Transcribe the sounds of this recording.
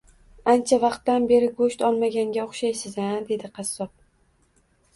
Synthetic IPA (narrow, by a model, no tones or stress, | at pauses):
ant͡ʃʰavɑqt̪ːanbe̞ɾɪɡoʃt̪ɒlˠmaɡʲaŋɡʲaoχʃajsɪzad̪e̞d̪ɪqʰɑsːɒp̚